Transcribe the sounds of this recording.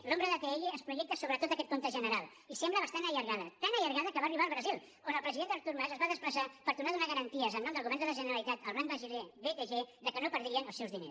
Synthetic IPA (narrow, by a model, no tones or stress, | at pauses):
lombɾəðət̪eeʎeəspɾuʒɛk̚t̪əsoβɾət̪ot̪əkɛt̪kont̪əʒənəɾalˠ | isɛmbləβəst̪anəʎəɾɣaðət̪anəʎəɾɣaðəkəβaəriβaːlˠβɾəzilˠ | onəlˠpɾəziðend̪əɾt̪uɾmazəzβaðəspləsapəɾt̪unaðunazəɾənt̪iəzənɔmd̪əlˠɣuβɛɾnd̪ələʒənəɾəlit̪at̪əlˠrambəzileβet̪eʒeðəkənopəɾðɾiənəlˠsewzðinḛs